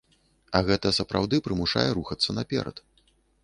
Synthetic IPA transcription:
ɐɣɛt̪ɐsɐpɾa̰wd̪ɨpɾɨmuʂa̰jɛɾuxɐt̪sːɐnapʲɛ̰ɾɐ̰t̪

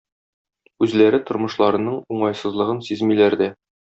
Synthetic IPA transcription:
ʉzlæɾɘt̪ŏɾmɤ̆ʃlˠɑɾɤ̆nɤɴuɴɑjsɤ̆zlˠɤ̆ʁɤnsizmilæɾd̪æ

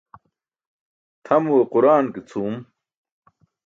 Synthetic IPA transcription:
t̪ʰɐmuwequɾaːnkit͡sʰuːm

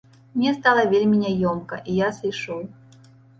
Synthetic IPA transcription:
mnʲɛst̪alˠɐvʲelʲmʲinʲɛjɔmkɐ̰ʔijasɐjʂɔwˠ

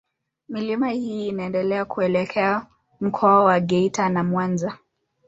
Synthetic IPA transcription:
milimahiːnaɛndɛlɛakʰuɛlɛkʰɛa | m̩kʰɔawaɡɛitanamwanza

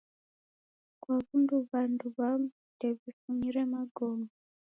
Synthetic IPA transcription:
kwaβunduβanduβam | deβifumiɾemaɡoma

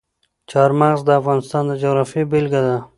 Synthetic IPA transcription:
t͡ʃɑɾmaɣzd̪əafɣɑnɪst̪ɑnd̪əd͡ʒʊɣɾɑfjebelɡad̪a

